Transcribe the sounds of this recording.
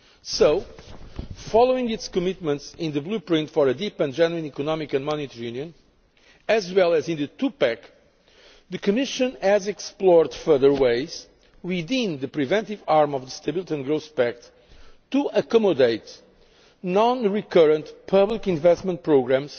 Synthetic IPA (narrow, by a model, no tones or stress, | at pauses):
soʊ | fɔlˠoĩŋɪtskɨmɪt̪̚mə̃ntsĩnðɨblupɹĩntfɔɹəd̪ipɨ̃nd͡ʒɛnuɨ̃nikɔnɔmikɨ̃nmɔnit̪əɹjũnjɨ̃n | ɨzwɛlˠæzĩnðɨt̪ʰupæk | ðɨkɨmɪʃɨ̃nɨzɛksplɔɹd̪fɜ˞ðə˞weɪz̥ | wiðĩnðɨpɾivɛ̃nt̪ivaɹmɔvðəst̪ebilˠit̪iɨ̃nɡɹoʊθpæk̚t | tuəkɔmɔd̪eɪt̪ | nɔ̃nɹikɜɹə̃nt̪pʰʌblikĩnvɛstmə̃nt̚pɹoɡɾæ̃mz̥